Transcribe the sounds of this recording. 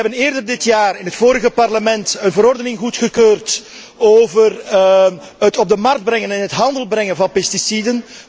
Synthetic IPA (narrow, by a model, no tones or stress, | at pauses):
ɛbənɪːrdərdɪtjaːrɪnɦətfoːɾəɣəpɑrləmɛntənvəɾɔrdənɪŋɣutxəkøːrt | oːvər | ətɔb̚dəmɑrkd̚bɾɛŋənɛnɦətɦɑndəlˠbrɛŋənvɑnpɛstisidən